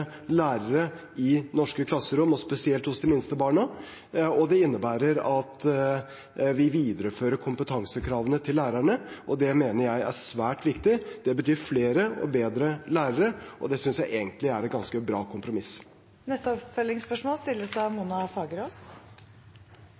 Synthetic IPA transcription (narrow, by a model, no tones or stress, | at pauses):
læːɾəɾə | ɪnɔʂkəkʰlɑsːəɾʊmɔspɛsɪɛlt̪hʊsd̪ɪmɪnst̪əbɑːɳɑ | ɔd̪ɛɪnːəbæːɾəɾɑt̪ | ʋɪʋiːd̪əɾəføːɾəɾkʰʊmpət̪ʰɑŋsəkʰɾɑːʋənət̪ʰɪlːæːɾæɳəʔɔd̪ɛmeːnəɾjæɪæ̰sʋæːʈʋɪkt̪ɪd̪̥ɛbət̪ʰyːɾfleːɾəʔɔ̰beːd̪ɾəlæːɾəɾəɔ̰d̪ɛsʏnsjæɪʔeːɡənt̪lɪæɾɛt̪ɡɑnskəbɾɑːkʰʊmpɾʊmɪs | nɛst̪əɔpfœlɪŋspœʂmoːlst̪ɪlːəsɑmuːnɑfɑːɡəɾɔs